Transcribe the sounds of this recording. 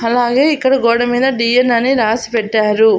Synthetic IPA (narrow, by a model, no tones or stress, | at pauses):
ɐlaːɡe̞ːikːɐɽɐɡɔːɽɐmiːd̪ɐɖiːjɐnɐniɾaːsi̥pɛʈːaːɾu